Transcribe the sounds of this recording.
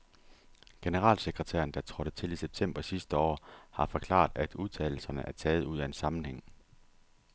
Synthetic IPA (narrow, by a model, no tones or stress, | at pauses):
ɡ̥e̝nəʁɑ̰̈ːlseɡ̥ʁət͡sʰḛːɐn̩d̥ɑ̈t͡sʰʁɔ̽ɾ̥ət͡sʰe̝liseb̥̚t͡sʰem̰b̥ɐsisd̥əɒ̰ːhɑ̈fɒ̽kʰlɑ̰̈ːd̥æd̥uð̞ˠt͡sʰɛ̰ːɪl̩sɐnəʔæɐt͡sʰɛːð̞̩ˠuðˠæe̝nsɑ̈mn̩heŋ̰